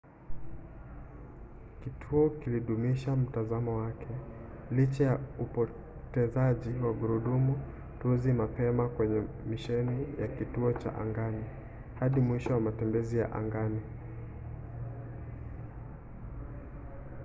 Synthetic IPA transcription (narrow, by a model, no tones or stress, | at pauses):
kitʰuɔkiliɗumiʃam̩tazamɔwakʰɛ | lit͡ʃajaupɔ | tɛzaʄiwaɡuɾuɗumu | tuzimapɛmakwɛɲɛ | miʃɛnijakituɔt͡ʃa̰ʔa̰ŋɡani | haɗimwiʃɔwamatɛmbɛzija̰ʔa̰ŋɡani